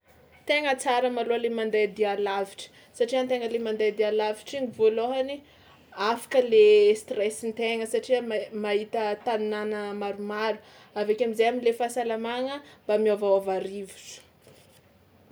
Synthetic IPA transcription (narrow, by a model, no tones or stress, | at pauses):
t̪eŋət͡saɾəmaloəlemand̪ajd̪ialaviʈ͡ʂə̥ | saʈ͡ʂiant̪eŋəlemand̪ajd̪ialaviʈ͡ʂiɲivoloɦani | afḁkəlest̪rɛsint̪eŋəsaʈ͡ʂiəmaɦit̪ət̪anunanəmaɾumaɾu̥ | avekʲamizejamilefasalamaŋəmbamiavawavaɾivusu̥